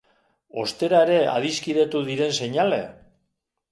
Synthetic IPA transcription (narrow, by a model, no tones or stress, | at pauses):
o̞st̪e̞ɾaeɾe̞a̰ðiskiðet̪uðiɾe̞nse̞ɲale̞̰